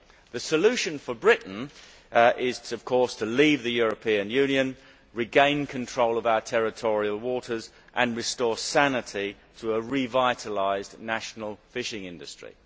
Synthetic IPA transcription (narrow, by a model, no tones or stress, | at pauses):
ðəsəlʉˑʃə̃nfəbɹɪʔn̩ | ɪz̥ʰʌv̥kʰɔˑstʰəliːvðəjʊːɹəpʰĩə̃njʉ̃njə̃n | ɹɪɡẽɪ̃nkʰə̃ntʰɹ̥oʊləvaʊətʰɛɹɪtʰɔɹiəlˠwɔˑɾəz | ʔə̃nɹɪstɔːsænɪtʰi | tʰəːɹivaɪtʰəlaɪznæʃnəl̩ˠfɪʃɪ̃ŋɪ̃ndɨstɹ̥ḭ